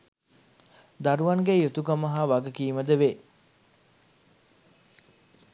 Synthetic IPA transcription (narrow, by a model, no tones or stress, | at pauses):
d̪aɾuʋɐŋɡejut̪ukəməɦaːʋaɡəkiːməd̪əʋe